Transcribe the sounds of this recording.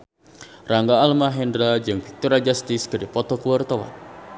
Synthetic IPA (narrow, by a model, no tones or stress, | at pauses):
raŋɡaːlmaɦɛndɾad͡ʒɨŋpik̚t̪uɾad͡ʒast̪ɪskɨdipɔt̪ɔkuwart̪ɔwa̰